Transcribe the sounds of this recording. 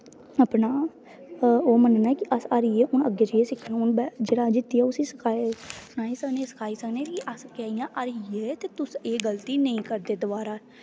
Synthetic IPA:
əpnaː | oːmənnɛːkɪʔəsəɾjeːʊnəɡeːd͡ʒəeːsɪkʰːñːʊnbɛd͡ʒeːɽaːd͡ʒɪt̪ːiaːʊsiːsəkʰaːsʊnaːiːsəkneːsə̥kʰaːiːsəkneːkɪʔəskɛːɪjãːʔəɾjeːt̪eːt̪ʊseːɡəlt̪iːnəĩːkəɾd̪eːd̪ʊbaːɾaː

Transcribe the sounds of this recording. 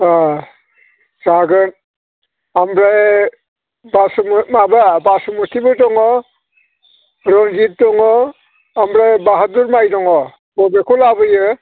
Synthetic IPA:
a | zaɡɯn | amɾa | basɔmmababasɔmutʰibɯtɔŋɔ | ɾɔnd͡ʒit̚tɔŋɔ | amɾabaɦaduɾmajdɔŋɔ | bɔbekʰɔlabɯjɯ

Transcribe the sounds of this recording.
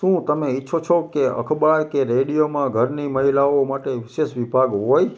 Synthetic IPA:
ʃũt̪əmeitːʃʰot͡ʃʰokeə̰kʰbaɽkeɾeɽijomãɡʱəɾniməɦilaomaʈeʋɪseʃʋibʱaɡɦoj

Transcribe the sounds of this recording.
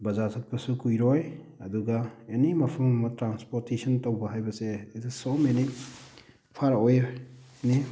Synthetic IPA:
bɐzatʰɐk̚pɐsukujɾɔj | ɐduɡɐenimɐpʰɐmmɐtɾanspoɾtesʰɐntowbɐɦajbɐsetʰsomeni | pʰaɾo | eni

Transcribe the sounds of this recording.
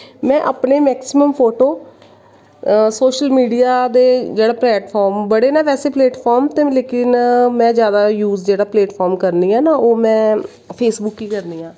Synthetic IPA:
mɛ̃ːʔəːpneːmɛːksɪməmpʰoːʈoː | soːʃəlmiːɖiːaːd̪eːd͡ʒeːɽaːplɛːʈpʰɔːɾmbəɽeːnaːpɛːseːplɛːʈpʰɔːɾmt̪eːleːkɪnmɛ̃ːzjaːd̪aːjuːzd͡ʒeːɽaːpleːʈpʰɔːɾmkəɾniːɛːnaːoːmɛ̃ː | pʰeːsbʊkːiːkəɾniːãː

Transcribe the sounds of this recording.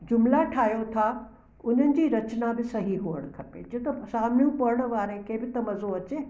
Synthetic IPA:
d͡ʑʊmlaʈʰaːɦijot̪ʰa | ʊn̤ənɪ̆d͡ʑiːɾɐt͡ɕnabɪsɐɦiɦuːəɽ̃kʰɐpḛːd͡ʑit̪ɐsaːmnijũpɐɾəɽ̃̆ʋaːɾẽkẽːbɪt̪ɐmɐzoɐt͡ɕeː

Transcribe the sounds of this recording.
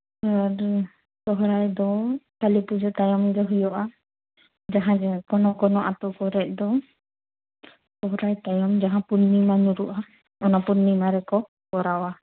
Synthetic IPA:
saɾ | t̪ɔɦɾajd̪ɔkalipud͡ʒɔt̪ajɔmd͡ʒɔɦujɔʔa | d͡ʒaɦãd͡ʒɛkɔnɔkɔnɔʔat̪ɔkɔɾɛʔ̚ˀd̪ɔ | t̪ɔɦɾajt̪ajɔmd͡ʒaɦãpunːimanuɾuʔa | ɔnapunːimaɾɛkɔ | kɔɾawa

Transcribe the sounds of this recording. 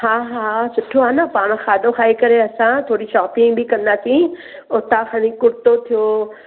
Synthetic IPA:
haːɦaːsʊʈʰoaːnɐpaːɽ̃xaːd̪oxaːikɐɾeɐsãt̪ʰoːɽiʃɔːpɪ̃ŋɡbʱɪkɐ̃nd̪aːsĩ | ʊt̪axaːnikʊɾt̪ot̪ʰijoː

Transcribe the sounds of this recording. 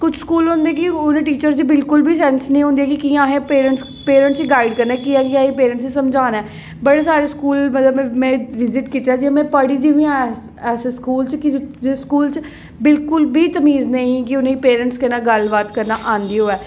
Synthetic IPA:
kʊt͡ʃʰskuːlɦʊ̃ːnd̪eːkɪʊnẽːʈiːt͡ʃəɾd͡ʒ̪iːbɪlkʊlbʱiːsɛːnsnĩːɦʊ̃nd̪iɛːkikiːãːɦẽːpeːɾəɳʈs | peːɾə̃ɳʈsiːɡaːiɖkəɾnɛːkiːɛ̃ːkiãːɦiːpeːɾə̃ɳʈsiːsəmd͡ʒaːnɛː | bəɽeːsaːɾeːskuːlmət̪ləbɛ̃mɛ̃ːʋɪzɪʈkiːt̪eaːd͡ʒimɛ̃ːpəɽiːd̪iĩã | ɛːseskuːlt͡ʃkɪskuːlt͡ʃ | bɪlkʊlbʱiːt̪əmiːznəĩːkɪʊnẽːiːpeːɾə̃ɳʈskənaːɡəlbaːt̪kəɾnaːʔãːnd̪iːɦoːɛː

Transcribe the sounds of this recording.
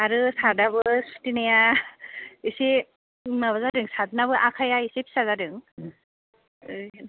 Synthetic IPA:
aɾɯsadaβɯsu̥tinaja | ise | naβazadɯŋsatnaβɯʔakʰajaisepʰi̥sazadɯŋ | ɯj

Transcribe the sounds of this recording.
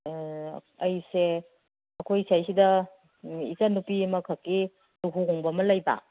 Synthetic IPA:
ɐjse | ɐkʰojsajsidɐ | ikanupimɐkʰakːi | nuɦuɦɔŋbɐmɐlɐjba̰

